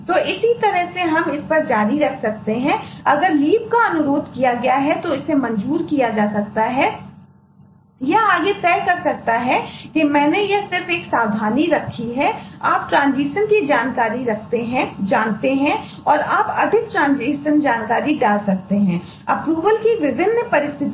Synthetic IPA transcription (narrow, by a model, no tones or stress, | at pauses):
t̪oːʔɪsit̪ɐɾəɦseɦɐmɪspɐɾd͡ʒaːɾiɾɐkʰsɐk̚t̪eɦɛ̃ɐɡəɾliːp̚kaɐnʊɾoːd̪ʱkijaɡɐjaɦɛt̪oɪsemɐ̃ɲd͡ʒuːɾkijad͡ʒaːsɐk̚t̪aɦɛ | jɐaːɡet̪ɛːɦkɐɾsɐk̚t̪aɦɛkemɛ̃ːnejɐsɪɾfeːksaːd̪ʱaːniɾɐkʰːiɦɛaːp̚ʈɾãːnziːʃənkid͡ʒaːnkaːɾiɾɐkʰt̪eɦɛ̃d͡ʒaːnt̪eɦɛ̃ | ɔːɾaːpɐd̪ʱɪk̚ʈɾãːnziːʃənd͡ʒaːnkaːɾiɖaːlsɐk̚t̪eɦɛ̃ː | ɐpɾuːʋəlkiʋɪbɪnːpɐɾɪst̪ʰɪt̪